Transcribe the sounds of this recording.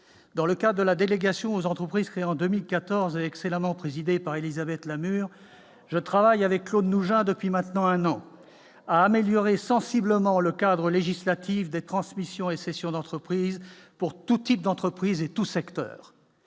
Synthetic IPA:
d̪ɑ̃ləkad̪ʁəd̪əlad̪eleɡasjɔ̃ozɑ̃t̪χəpχiz̥kχeeɑ̃d̪ømilkat̪ɔʁzeɛksɛlamɑ̃pχezid̪epaʁelizabɛt̪lamyʁ | ʒət̪χavajavɛkːlod̪nuʒɛ̃d̪əpɥimɛ̃t̪nɑ̃ɛ̃nɑ̃ | aːmeljɔʁesɑ̃sibləmɑ̃ləkad̪ʁəleʒislat̪ifd̪et̪χɑ̃smisjɔ̃esɛsjɔ̃d̪ɑ̃t̪χəpχizpuʁt̪ut̪ip̚d̪ɑ̃t̪χəpχizet̪usɛkt̪œ̰ːʁ

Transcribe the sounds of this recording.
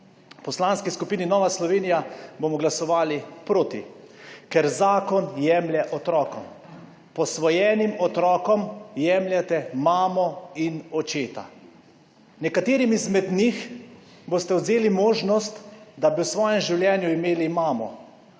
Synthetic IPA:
pɔslaːnskiskupiːninɔːʋaslɔʋeːnijabomɔɡlasɔʋaːlipɾoːt̪ḭ | kɛɾzaːkɔnjɛːmljɛʔɔt̪ɾɔːkɔm | pɔsʋɔjɛːnimɔt̪ɾɔːkɔmjɛmljat̪ɛmaːmɔinɔt͡ʃeːt̪a̰ | nɛkat̪eːɾimizmɛd̪nix | boːst̪ɛɔd̪zeːlimoːʒnɔst̪d̪abiwsʋɔːjɛmʒiwljɛːnjuimeːlimaːmɔ̰

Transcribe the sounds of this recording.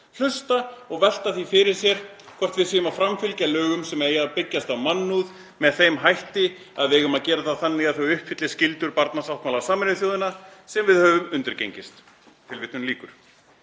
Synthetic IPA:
l̥ʏst̪aɔɣvɛl̥t̪aθifɪɾɪɾ̥sjɛɾ̥ | kʰvɔr̥t̪vɪðsiːjʏmawfɾamfʏlcalœːɣʏmsɛmejapɪcːast̪awmanːuð | mɛðθejmɦajht̪ɪ | aðvɪejɣʏmaðcɛːɾaθaðθanːɪɣaθowʏhpfɪt̪lɪ̥scɪlt̪ʏɾpaɾt̪nasawht̪maːlasaːmɪnʏθjoːwðɪnasɛmvɪðhœːvʏmʏnt̪ʏɾcḛjɲcɪst̪ | t̪ʰɪlvɪht̪nʏmliːkʏɾ̥

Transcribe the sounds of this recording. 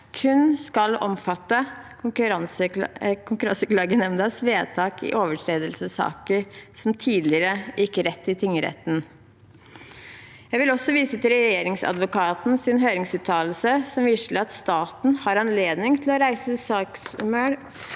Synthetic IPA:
kʰʉnskɑlɔ̰mfɑt̪ːə | ɾɑnsəkʰʊŋkʉɾɑnsəklɑːɡənɛmnd̪ɑsʋeːt̪ʰɑːkɪ̰ʔoːʋəʈʰɾeːd̪əlsəsɑ̰ːkəɾsɔmt̪ʰiːd̪lɪəɾəɪkːəɾɛt̪ːɪt̪ʰɪŋːəɾɛ̰t̪n̩ | jæɪʋɪlɔsɔʋiːsət̪ɪlɾɛjeːɾɪŋsɑ̰d̪ʋʊkɑːt̪n̩sɪnɦøːɾɪŋsʉːt̪ʰɑːl̩səsɔmʋiʂləɾɑt̪st̪ɑːt̪n̩hɑɾɑnleːd̪nɪŋt̪ʰɪlɔɾæɪsəsɑːksmøɾ

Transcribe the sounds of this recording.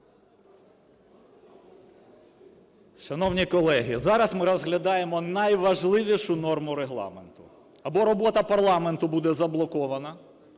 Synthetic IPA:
ʃɐnɔwnʲikɔlˠɛɦʲizɑɾɐsmɪɾɔzɦlʲɐd̪ɑjemɔnɐjʋɐʒlˠɪʋʲiʃʊnɔrmʊɾeɦlˠɑ̰ment̪ʊ̰ | ɐbɔɾɔbɔt̪ɐpɐrlˠɑment̪ʊbud̪ɛzɐblˠɔkɔʋɐnɐ

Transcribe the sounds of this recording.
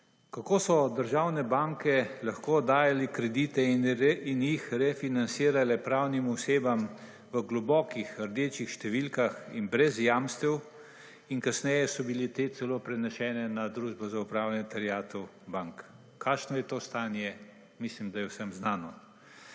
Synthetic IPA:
kakoːsɔd̪əɾʒaːwnɛbaŋkɛlaxkod̪aːjalikɾɛd̪iːt̪ɛinjixɾɛfinansiːɾalɛpɾawnimɔseːbam | ʋəɡlɔbɔːkixəɾd̪eːt͡ʃixʃt̪ɛʋilkaxinbɾɛzjaːmst̪ɛw | inkasnɛjɛsɔbilet̪eːt̪sɛloːpɾɛnɛʃɛːnɛnad̪ɾuːʒbɔzaupɾaːwlnɛt̪aɾjaːt̪u | baŋk | kʰːaʃnɔjɛt̪oːst̪aːnjɛ | mislimd̪ajɛwsɛmznaːnɔ

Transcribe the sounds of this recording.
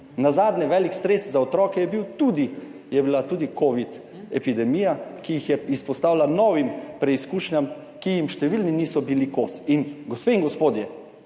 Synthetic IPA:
nazaːd̪nɛʋɛlikst̪ɾeːszaɔt̪ɾɔːkɛjɛbiwt̪uːd̪i | jɛbilat̪ud̪ikoːʋit̪ | ɛpid̪ɛmiːjakijixjɛispɔst̪aːwlanɔːʋimpɾɛiskuːʃnʲam | kijimʃt̪ɛʋilniniːsɔbilikosinɡospeiŋɡɔspoːd̪jɛ

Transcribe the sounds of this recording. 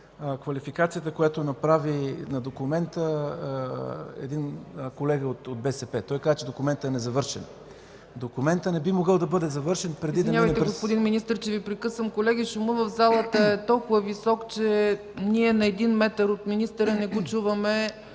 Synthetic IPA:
kvɐlifikat̪sijət̪əkojat̪onɐpɾavinɐd̪okumɛnt̪ə | ɛ̰d̪inkolɛɡəot̪od̪̚bɛsɛpɛt̪ɔjkazət͡ʃɛd̪okʊmɛnt̪əɛnɛzɐvɤɾʃɛn | d̪okumɛnt̪ənɛbimoɡɤlˠd̪ɐbɤd̪ɛzɐvɤɾʃɛnpɾɛd̪id̪ɐnamɐjt̪ɛɾɡospʊd̪inminist̪əɾt͡ʃɛvipɾikɤsvɐmkolɛɡʲiʃumɤvəvzalˠət̪əɛt̪ɔlˠkʊvəvisɔkt͡ʃɛ | niɛnɐɛd̪inmɛt̪əɾot̪minist̪əɾənɛɡot͡ʃuvɐmɛ

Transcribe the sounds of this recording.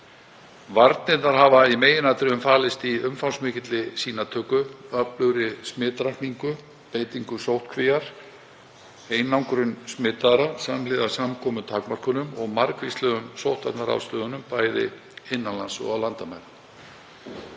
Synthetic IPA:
vaɾt̪nɪt̪naɾ̥ɦavaimeːjɪnat̪ɾɪʏmfaːlɪst̪iʏmfawnsmɪːcɪt̪lɪsiːnat̪ʰœːkʏœplʏɣɾɪsmɪːt̪ɾakniŋkʏ | peːjt̪iŋkʏsowht̪kʰvɪjaɾ̥ | eːjnawŋkɾʏnsmɪːt̪aɾasamlɪːðasamkʰɔːmʏt̪ʰaːkmar̥kʏnʏmɔɣmaɾkvist̪lœːɣʏnsowht̪at̪naɾa̰wst̪œːðʏnʏmpaːjðɪ̰ | ɪnːanlansɔ̰ɣawlant̪amaɾ

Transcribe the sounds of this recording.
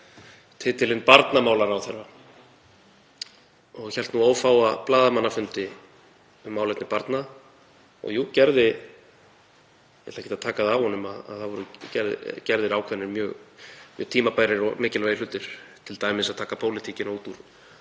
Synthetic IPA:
t̪ʰɪːt̪ɪlɪnpaɾt̪namaːwlaɾawθɛɾa | ɔɣçɛlt̪nuoːwfaːwaplaːðamanːafʏnt̪ɪ | ʏmːaːwlɛt̪nɪpaɾt̪na | ɔ̰ɣjuːcɛɾðɪ | jɛ̰t̪lḁhcʰɪt̪aðt̪ʰaːkaðavhɔnʏmaða̰ðθaðvɔɾʏcɛɾð̰cɛɾðɪɾawkʰvɛnːɪɾmjœːɣmɪ̰t̪ʰiːmapaːjɾɪɾɔ̰ɣmɪːcɪlvaːjɪlʏːt̪ɪɾ̥t̪ʰɪlt̪aːjmɪsaðt̪ʰaːkapʰowlɪt̪ʰicɪnut̪uɾ̥

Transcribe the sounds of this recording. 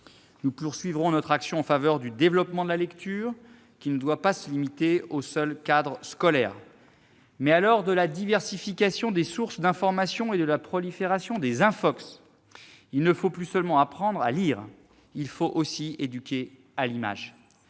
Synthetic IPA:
nupuʁsɥivʁɔ̃nɔt̪χaksjɔ̃ɑ̃favœʁd̪yd̪evlɔpmɑ̃d̪əlalɛkt̪ʰyːʁ | kʲinəd̪wapasəlimit̪eosœlkad̪ʁəskɔlɛʁ | mɛalɔʁd̪əlad̪ivɛʁsifikʲasjɔ̃d̪esuʁsd̪ɛ̃fɔʁmasjɔ̃ed̪əlapχɔlifeʁasjɔ̃d̪ezɛ̃fɔks | ilnəfoplysœlmɑ̃apχɑ̃d̪ʁa̰liːʁ | ilfoʔosied̪ykʲe | alima̰ʒ

